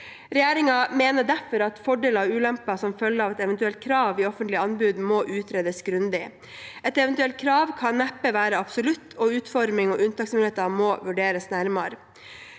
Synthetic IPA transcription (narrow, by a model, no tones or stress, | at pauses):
ɾɛjæːɾɪŋɑmeːnəɖæfɔɾɑt̪fɔɖeːlɑʋʉːlɛmpɑsɔmfœlːəɾɑːʋɛt̪ɛʋɛnt̪ʉɛlt̪̚kʰɾɑːʋiːɔfənt̪lɪɑnbʉːd̪moːʔʉːt̪ʰɾeːd̪əsɡɾʉnd̪ɪ | ɛt̪ɛʋɛnt̪ʉɛlt̪̚kʰɾɑːʋkʰɑnːæpːəʋæːɾəɑb̥sɔlʉt̪ʰːɔʉːt̪fɔɾmɪŋɔʔʉnt̪ɑːksmɪneːt̪ɑmoːʋʉɖeːɾəsnæɾmɑɾ